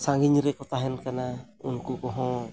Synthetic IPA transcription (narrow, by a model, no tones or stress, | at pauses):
saŋɡiɲiɾikut̪aɦɛnkana | uŋkukɔɦɔ